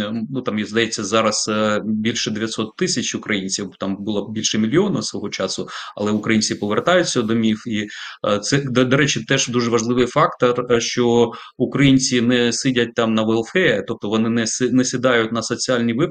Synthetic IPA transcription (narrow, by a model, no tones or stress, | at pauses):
nut̪ɑmjizd̪ɐjet͡sʲːɐzɑɾɐz̥bʲilʲʃɛd̪eʋʲjɐt̪sɔt̪ːɪsʲɐt͡ʃʊkɾɐjinʲt͡sʲiwt̪ɑmbʊlˠɐbʲilʲʃɛmʲilʲiɔnɐwsʋɔɦɔt͡ʃɑsʊɐ̰lˠɛʊkɾɐjinʲt͡sʲipɔʋert̪ɑjʊt͡sʲːɐd̪ɔmʲiwit̪sɛd̪ɔd̪ɔɾɛt͡ʃɪt̪ɛʒd̪uʒɛʋɐʒlˠɪʋɪjfɑkt̪ɐrʃt͡ʃɔ | ʊkɾɐjinʲt͡sʲinɛsɪdʲɐt̚ʲt̪ɑmnɐʋelˠfɛt̪ɔp̚t̪ɔʋɔnɪnɛsnɛsʲɪd̪ɑjʊtʲnɐsɔt͡sʲiɑlʲnʲiʋɪ